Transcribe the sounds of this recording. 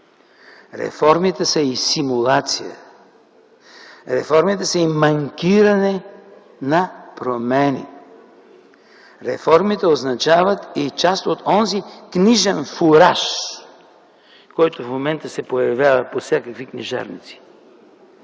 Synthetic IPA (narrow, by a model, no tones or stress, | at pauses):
ɾɛ̰fɔɾmit̪ɛsəisimulˠat̪sijə̰ | ɾɛ̰fɔɾmit̪ɛsəimɐŋkʲiɾɐnɛ | nɐpɾomɛnḭ | ɾɛ̰fɔɾmit̪ɛoznɐt͡ʃavət̪it͡ʃast̪ot̪ɔnzikniʒɛnfuɾaʃ | kɔjt̪ofmomɛnt̪əsɛpojɐvjavəposʲjakəkvikniʒa̰ɾnḭt̪si̥